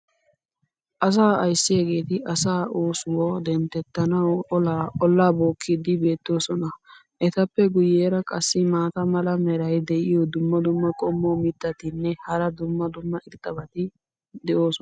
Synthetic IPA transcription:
ʔɐs̬aːɐjsːɪjeːɡe̞ːt̪ɪʔɐsaːʔoːsʊwɔd̪ɛnt̪ɛt̪ːɐnɐwɔlaːɔlːaːbo̞ːkʰːɪd̪ɪbe̞ːt̪ːo̞ːsɔnɐ | ʔɛt̪ɐpːɛɡʊjeːɾɐkʼɐsːɪmaːt̪ɐmɐlɐmɛɾɐjd̪ɛʔɪjɔd̪ʊmːɐd̪ʊmːɐkʼɔmːoːmɪt̪ːɐt̪ɪnːɛhɐɾɐd̪ʊmːɐd̪ʊmːɐʔɪɾt̪ːɐbɐt̪ɪ | d̪ɛʔo̞ːsɔ

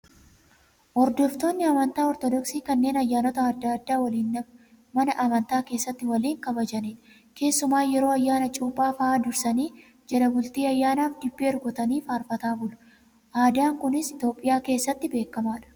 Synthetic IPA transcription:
hɔɾd̪ɔft̪o̞ːnːɪɐmɐnt̪aːɔɾt̪ɔd̪ɔksiːkɐnːe̞ːnɐjːaːnɔt̪ɐːd̪ːad̪ːaːwɐliːnːɐ | mɐnɐʔɐmɐnt̪aːke̞ːsːɐt̪ːɪwɐliːŋkɐbɐd͡ʒɐniːᶑ | ke̞ːsːʊmaːjɛɾo̞ːɐjːaːnɐt͡ʃʼuːpʼːaːfɐaːd̪ʊɾsɐniː | d͡ʒɐɾɐbʊlt̪iːɐjːaːnaːfd̪ɪbːeːɔɾɡɔt̪ɐniːfaːɾfɐt̪aːbʊlɐ̥ | ʔaːd̪aːŋkʊnɪsɪt̪o̞ːpʼːɪjaːke̞ːsːɐt̪ːɪbe̞ːkːɐmaːᶑɐ̥

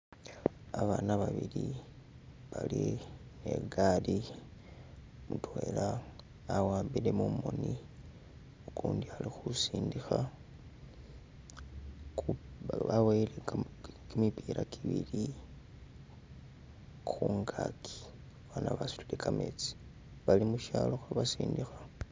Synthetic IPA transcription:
aβaːnaβaβili | βaline̞ɡali | mutwelaː | waːmbile̞mumo̞ni | okuːndialixusiːndixa | kβaweilekkimipiɾakʰiβili | xuːŋɡakʰi̥ | βanaβasu̥tulikʰamet͡si̥ | βalimuʃaloxwaβasiːndixa

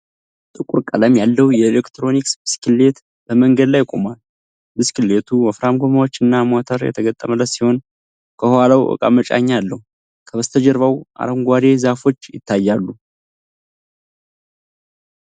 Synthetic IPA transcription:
t̪ʼɨkʼuɾkʼələmjalːəwjɛelekt̪ɾo̞niksbɨskʰɨlːe̞t̪ | b̥əməŋɡəd̪lajkʼo̰mal | bɨskɨle̞t̪ʰuməfɾamɡomawot͡ʃːɨnːamat̪ʰəɾjɛ̰t̪ʰəɡət̪ʼːəmələsiho̞n | kʰəhhalawʔə̰kʼa̰mət͡ʃʼa̰ɲːalːəhu | kʰəβəst̪ʰəd͡ʒəɾvawʔa̰ɾəmɡʷad̪e̞zafo̞t͡ʃːjɪ̰t̪ʰːajːalːu

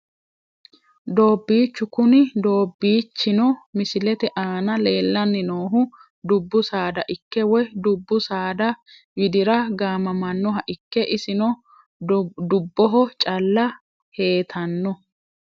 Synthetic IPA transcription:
d̪o̞ːbːiːt͡ʃːʊkʊnɪd̪o̞ːbːiːt͡ʃːɪnɔmɪsɪlɛt̪ɛʔaːnɐle̞ːlːɐnːɪnoːɦʊ | d̪ʊbːʊsaːd̪ɐʔɪkːɛwɔjd̪ʊbːʊsaːd̪ɐ | wɪd̪ɪɾɐɡaːmɐmɐnːɔɦɐʔɪkːɛʔɪsɪnɔ | d̪ʊbːɔɦɔt͡ʃʼɐlːɐ | he̞ːt̪ʰɐnːɔ

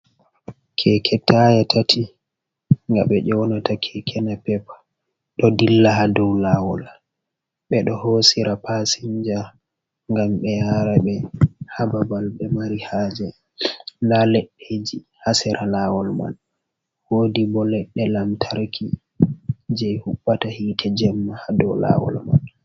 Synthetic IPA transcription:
kʰɛkʰɛtʰːajɛtʰatʰi | ŋɡa̰ɓɛʔɔwnatʰakʰɛkʰɛnapɛpḁ | ɗɔdilːaɦadɔwlawɔl | ɓɛɗɔhosiɾapasiɲd͡ʒa | ŋɡamɓɛjaɾaɓɛhababalɓɛmaɾihaːd͡ʒɛ | nalɛɗːed͡ʒi | hasɛɾʔalawɔlma̰n | wodibɔlɛɗːɛlamtʰaɾkʰi | d͡ʒɛjhuɓːatahiːtʰɛd͡ʒɛmːahadɔwla̰wɔ̰lma̰n

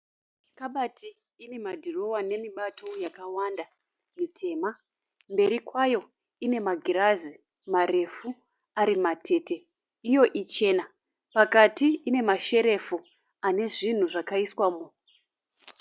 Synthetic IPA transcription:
kaɓatiː | ne̞madʱiro̞wane̞miɓatʰo̞jakawanda | mitʰe̞ːma | mbe̞ɾikwajo̞ | ine̞maɡʱiɾazi | mare̞fu | aɾimatʰe̞te̞ | ijo̞ʔit͡ʃe̞na | pakatiːne̞maʃe̞ɾe̞fu | ane̞ʐin̤uʐakaiswaːmo

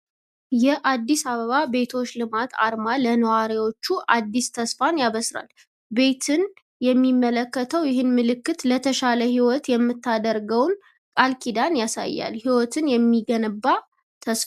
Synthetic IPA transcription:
jɛʔad̪ːisaβəβabe̞t̪ʰo̞t͡ʃːlɨmat̪ʰa̰ɾmalənəwaɾiwo̞t͡ʃːuʔad̪ːist̪ʰəsfanjaβəsɾa̰l | be̞t̪ʰɨn | jɛmːimːələkːət̪ʰəwjɪɦɨnmɨlɨkːɨt̪lət̪ʰəʃaləhiwɔt̪jɛmːɨt̪ːad̪əɾɡəwn | kʼalkʰid̪anjasa̰jːa̰lhiwɔt̪ʰɨnjɛmːiɡənəbːa | t̪ʰəsf

